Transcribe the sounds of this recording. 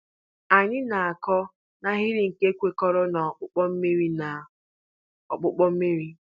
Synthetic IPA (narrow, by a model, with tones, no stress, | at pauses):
a˨ɲɪ˦na˨a˨kɔ˦ | na˦ɦi˦ɾi˦ŋ̩˨ke˦kʷe˦kɔ˦ɾɔ˦na˨k͡pʊ˦k͡pɔ˦m̩˦mi˦ɾi˦na˨ | ɔ˨k͡pʊ˦k͡pɔ˦m̩˦me˦ɾi˦